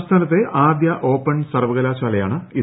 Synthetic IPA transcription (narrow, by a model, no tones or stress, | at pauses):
st̪ʰaːnɐt̪ːe̞ʔaːd̪jɐʔo̞ːpːɐɳsɐrʋɐɣɐlaːɕaːlɐjaːɳɨi